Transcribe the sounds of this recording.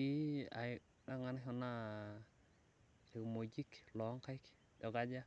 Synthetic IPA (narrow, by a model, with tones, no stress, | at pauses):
i˦a̰˨ | a˦ŋa˨naɦɔ˨na | i˨mo˨d͡ʒi˦klɔ˨˦ŋka˦ɪ˦k | dɔ˨ɡa˦d͡ʒa˦